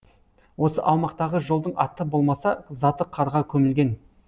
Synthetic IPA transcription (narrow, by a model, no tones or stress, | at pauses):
wo̞sə̰ʔɑwmɑqt̪ɑʁəʒo̞lˠd̪əɴɑt̪əbo̞lˠmɑsɑzɑt̪əqʰɑɾʁɑkʲʰɵmɪlɡʲe̞n